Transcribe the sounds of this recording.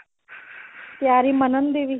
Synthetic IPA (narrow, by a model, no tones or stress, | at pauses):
t̪jaːɾimənənd̪eʋi